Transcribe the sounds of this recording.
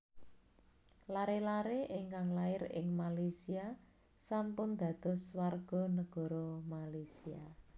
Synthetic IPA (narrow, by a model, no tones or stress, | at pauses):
laɾelaɾeʔɪŋkaŋlaɪɾɪ̰ŋmalasia | sampʊnd̪̥a̤d̪̥ɔ̤swarɡ̥ɔ̤nəɡ̥ɔ̤ɾɔmalajsia